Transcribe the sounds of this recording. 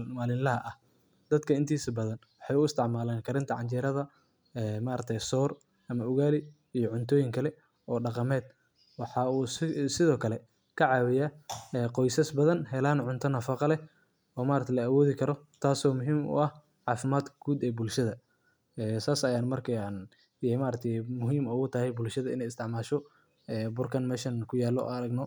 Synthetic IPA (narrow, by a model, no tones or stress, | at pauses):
maːlɪnlɐɦɐʔɐh | d̪ɐd̪kʰɐɪnt̪ʰiːsɐbɐðɐnwɑħɑjʊɪst̪ʰɪʕmaːlɛːnkʰɐɾɪnt̪ʰɐʕɑɲt͡ʃɛːɾɐðɐ | ɛːmaːɾɐk̚t̪ʰɛjsɔːr | ɐmɐʊɣaːlɪ | ijɔʕʊnt̪ʰɔːjɪŋkʰɐlɛ | ʔɔːɖɑqɑmɛːd̪̥̚ | wɑħɑuːsɪðɔːkʰɐlɛ | kʰɐʕɑːwɪjaːɛːqɔjsɐsbɐðɐnhɛlaːnʕʊnt̪ʰɐnɐfɑqɑlɛ | ɔːmaːɾɐkt̪ʰɛlɐawɔːðɪkʰɐɾɔt̪ʰaːsɔːmʊɦiːmʊ̰ɐh | ʕɑːfɪmaːd̪ɡ̥uːd̪ɛːbʊlʃɐðɐ | ɛːsaːsɐjaːnmɐrkʰɐan | jɛmaːɾɐk̚t̪ʰɛjmʊɦiːmɐɣʊt̪ʰɐhɛjbʊlʃɐðɐɪ̰nɛjɪst̪ʰɪʕmaːʃɔ | ɛːbʊrkʰɐnmɛːʃɐnkʰʊjaːlːɔ̰ɐɾɐɡnɔ